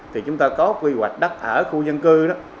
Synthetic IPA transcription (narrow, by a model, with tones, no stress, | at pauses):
t̪ʰi˨˩t͡ɕʊ˨˦ŋ͡mt̪aː˧kɔ˨˦kwi˧hwa˨˩jk̟̚ɗa˦˥t̚ʔəː˧˩xu˧zə˧nkɨ˧ɗɔ˨˦